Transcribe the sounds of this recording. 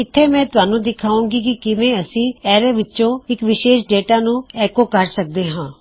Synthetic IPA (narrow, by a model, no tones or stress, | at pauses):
ɪt̪ʰːeːmɛ̃ːt̪ʊaːnũːd̪ɪkʰaːũːɡiːkɪkɪʋẽːəsĩːɛːɾeʋɪtːʃõːɪkʋɪʃeːʃɖeːʈaːnũːɛːkoːkəɾsək̚d̪eːɦãː